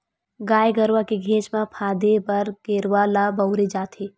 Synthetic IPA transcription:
ɡaːjɡəɾwakeɡʱẽːt͡ʃmãpʰaːd̪epɐɾɡ̥eːɾwalabɐʊɾed͡ʒaːt̪ʰeː

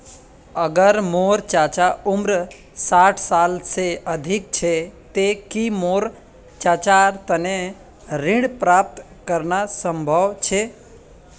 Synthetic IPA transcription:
əɡəɾmoɾt͡ʃat͡ʃaumɾ | saʈʰsalseəd̪ʱik̚t͡ʃʰet̪ekimoɾ | t͡ʃat͡ʃaɾt̪əne | ɾĩɽpɾap̚t̪ | kəɾnasəmbʱəʋt͡ʃʰe

